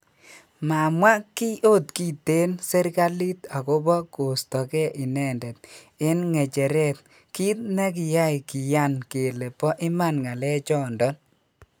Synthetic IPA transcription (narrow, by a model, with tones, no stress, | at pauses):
ma˨mwa˦ki˦ʔo˦tki˦˨te˦nse˦ɾka˦li˦ta˨ko˦bɔ˦ko˨stɔ˨kɛ˦ʔɪ˨nɛ˦˨ndɛ˨t̪̚ | ɪ˦nŋɛ˨t͡ʃɛ˨ɾɛ˦˨t̚ | ki˦t̪nɛ˦ki˨ja˦i˨ki˨ja˦˨nke˨le˨pɔ˦ʔɪ˦ma˦˨nŋa˨lɛ˦t͡ʃɔ˦˨ndɔ˦n